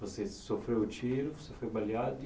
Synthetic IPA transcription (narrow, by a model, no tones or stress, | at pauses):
vosesofɾewʊt͡ʃiɾʊvosefojbaljad̪ʊ